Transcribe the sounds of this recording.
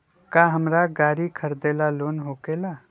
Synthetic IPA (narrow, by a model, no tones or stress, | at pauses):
kaɦəmɾaɡaːɾikʰəɾd̪elalonɦokela